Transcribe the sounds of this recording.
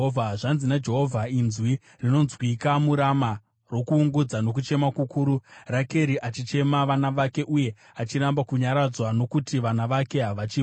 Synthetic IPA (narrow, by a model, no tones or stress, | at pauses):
vʱaʐanzinad͡ʒe̞ɦovʱainzwi | rino̞nzwikamuɾama | rwo̞kuːŋɡud͡zano̞k̬ut͡ʃe̞makukʰuːɾurake̞ɾiʔat͡ʃit͡ʃe̞maʋanaʋake̞ʔuje̞ | at͡ʃiɾambakuɲaɾad͡zwano̞kutiʋanaʋake̞ɦaʋat͡ʃi